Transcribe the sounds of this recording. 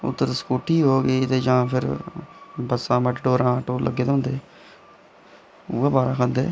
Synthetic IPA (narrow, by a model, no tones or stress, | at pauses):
ʊ̰t̪ːəɾskoːʈʰːiːɦoːɡeːt̪eːd͡ʒãːpʰɪɾ | bəsãːməʈɖoːɾãːʈoːlʔə̰ɡːeːd̪õːnd̪eː | uːeːbaːɾãːkʰə̃nd̪ḛː